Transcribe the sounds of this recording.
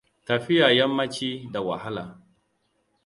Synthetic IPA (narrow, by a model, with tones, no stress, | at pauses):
tɐ˨ɸɪ˦ja˨jɐ˦mːɐ˦t͡ʃiː˦da˨wa̰˨ha˦laː˨